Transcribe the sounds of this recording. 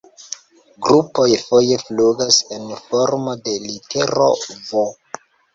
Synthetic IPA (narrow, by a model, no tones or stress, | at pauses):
ɡɾupo̞jfo̞je̞fluɡasenfo̞ɾmo̞de̞liteɾo̰vo